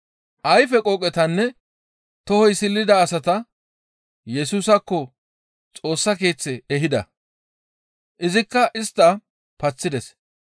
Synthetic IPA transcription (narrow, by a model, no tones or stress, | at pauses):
ʔɐjfɛkʼɔkʼːɛt̪ɐnːɛ | t̪ɔhɔjsɪlːɪd̪ɐːsɐt̪ɐ | jɛsuːsɐkːɔ | t͡sʼo̞ːsːɐke̞ːt͡sːɛɛɦɪd̪ɐ̰ | ʔɪzɪkːɐʔɪst̪ːɐ | pɐt͡sːɪd̪ɛs